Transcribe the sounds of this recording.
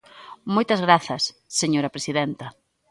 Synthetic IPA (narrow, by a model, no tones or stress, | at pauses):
mojt̪ɐzɣɾaθɐsːeɲoɾɐpɾesiðɛnt̪ɐ